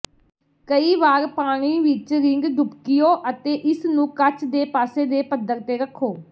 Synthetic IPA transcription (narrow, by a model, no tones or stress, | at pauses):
kəiːʋaːɾpaːɽ̃iːʋɪt͡ʃɾɪŋɡɖ̪ʱʊpkɪjoːʔət̪eːʔɪsnũːkət͡ʃd̪eːpaːseːd̪eːpəd̪əɾt̪eːɾəkʰːoː